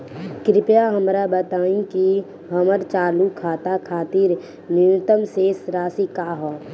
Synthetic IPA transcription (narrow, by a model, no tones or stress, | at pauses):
kɾɪpjaɦəmɾabət̪aːĩki | ɦəməɾt͡ʃaːlukʰaːt̪akʰaːt̪iːɾ | niʊt̪əmsesɾaːsikaːɦɔː